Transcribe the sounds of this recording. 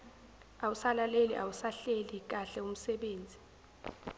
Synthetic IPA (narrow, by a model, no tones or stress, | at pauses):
awusalalelḭʔawusaɬelik̬aɬɛum̩sɛɓeːnd͡zʱi